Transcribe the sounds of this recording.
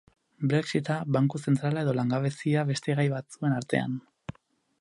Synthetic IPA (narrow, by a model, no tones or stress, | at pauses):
bɾe̞ksit̪aβaŋkuse̞nt̪ɾalae̞ðo̞laŋɡaβ̞e̞siaβe̞st̪e̞ɣ̞ajβat͡sue̞naɾt̪e̞̰a̰n